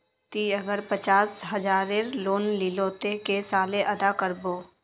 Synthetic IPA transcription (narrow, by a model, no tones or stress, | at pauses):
t̪iəɡəɾpət͡ʃaːsɦəd͡ʒaːɾeɾloːnliloːt̪ekesaːleʔɐd̪akəɾboː